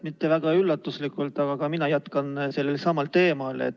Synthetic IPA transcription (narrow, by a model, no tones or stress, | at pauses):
mit̪ːe̞væɡ̥ɑylːɑt̪ːˑuslikˑult̪ːˑɑɡ̥ɑkɑminɑjæt̪kɑnse̞lːe̞lsɑmɑlt̪e̞ːmɑlḛt̪ː